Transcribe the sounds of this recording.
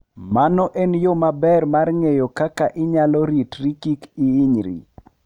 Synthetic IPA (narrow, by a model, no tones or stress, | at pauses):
manɔʔenjomabɛrmarŋejokakaʔɪɲalɔɾitɾikikiːɲɾḭ